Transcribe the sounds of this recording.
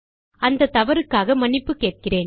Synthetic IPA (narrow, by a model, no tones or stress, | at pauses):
ɐnd̪ɐt̪ːɐʋɐɾɯkːaːɣɐmɐnɪpːɯkeːʈ̚kɪreːn